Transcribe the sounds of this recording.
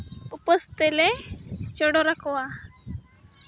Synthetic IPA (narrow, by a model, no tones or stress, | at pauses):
upəst̪elet͡ʃɔɽoɾakʰwa